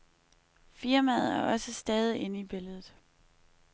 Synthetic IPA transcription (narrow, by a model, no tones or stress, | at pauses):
fiɐmæð̩ˠæɐʔɒ̽səsd̥ɛːð̞ˠiʔe̝nəib̥e̝ləðˠð̩ˠ